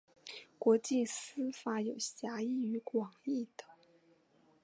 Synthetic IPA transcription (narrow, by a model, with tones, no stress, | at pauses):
kwɔ˧˥t͡ɕi˥˩sɹ̩˥fa˧˥jo˨˩ʊɕja˧˥i˥˩y˧˥kwɑ˨˩ŋi˥˩t̪ə̥˨˩˦